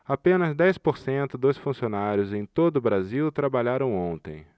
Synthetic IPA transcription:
apẽnɐzd̪ɛjspoɾsẽnt̪ʊd̪osfũsionaɾjʊzẽj̃t̪od̪ʊbɾaziwt̪ɾabaʎaɾɐ̃w̃õnt̪ḛ̃j̃

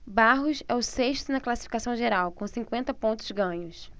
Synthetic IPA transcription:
baɦʊsɛʊseʃt̪ʊnɐklasi̥fikasɐ̃w̃ʒeɾawkõw̃sĩkwẽnt̪ɐpõnt̪ʊzɡɐ̃ɲʊs

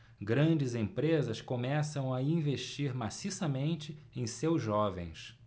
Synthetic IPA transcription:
ɡɾɐ̃d͡ʒɪzẽpɾezɐskomɛsɐ̃w̃ɐĩveʃt͡ʃiɾmasisɐmẽnt͡ʃɪẽj̃sewzʒɔvḛ̃j̃s

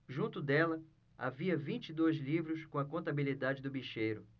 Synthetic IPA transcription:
ʒũnt̪ʊd̪ɛlɐ | a̰viɐvĩnt͡ʃid̪ojzlivɾʊskõɐkõnt̪abilid̪ad͡ʒɪd̪ʊbiʃejɾʊ

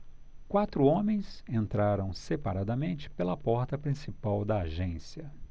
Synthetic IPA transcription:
kwat̪ɾʊõmẽj̃sẽnt̪ɾaɾɐ̃w̃sepaɾad̪ɐmẽnt͡ʃɪ̥pelɐpɔɾt̪ɐpɾĩsipawd̪ɐaʒẽsiɐ

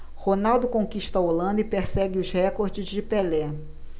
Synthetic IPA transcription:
honawd̪ʊkõkiʃt̪ɐolɐ̃nd̪ʊɪpeɾsɛɡɪʊzhɛkoɾd͡ʒɪzd͡ʒɪpelɛ

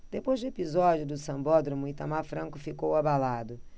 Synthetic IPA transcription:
d̪̥epojzd̪ʊepizɔd͡ʒʊd̪ʊsɐ̃mbɔd̪ɾomʊɪt̪ɐmaɾfɾɐ̃ŋkʊfikowabalad̪ʊ

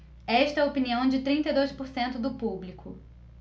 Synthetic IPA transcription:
ɛʃt̪ɐɛopiniɐ̃w̃d͡ʒɪt̪ɾĩnt̪ɐjd̪ojspʊɾsẽnt̪ʊd̪ʊpublikʰʊ

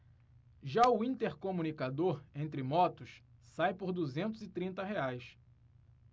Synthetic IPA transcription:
ʒaʊĩnt̪eɾkomunikad̪oɾẽnt̪ɾɪmɔt̪ʊʃsajpoɾd̪uzẽnt̪ʊzɪt̪ɾĩnt̪ɐɦeajs

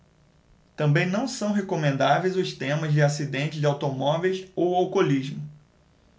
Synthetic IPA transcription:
t̪ɐ̃mbẽj̃nɐ̃w̃sɐ̃w̃ɦekomẽnd̪avejzʊst̪ẽmɐzd͡ʒɪasid̪ẽnt͡ʃɪzd͡ʒɪawt̪omɔvejsowawkoliʒmʊ

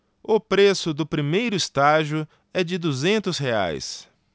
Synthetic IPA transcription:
ʊpɾesʊd̪ʊpɾimejɾʊist̪aʒiʊ | ɛd͡ʒɪd̪uzẽnt̪ʊshea̰js

